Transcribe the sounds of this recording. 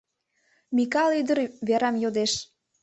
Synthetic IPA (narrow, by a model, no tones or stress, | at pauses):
mikɑlyd̪əɾβeɾɑmjod̪eʃ